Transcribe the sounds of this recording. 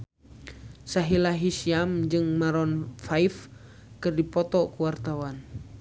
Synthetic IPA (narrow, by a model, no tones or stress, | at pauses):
saɦilaɦisiamd͡ʒɨŋmaɾɔnfaif | kɨrdipɔt̪ɔkuwart̪awan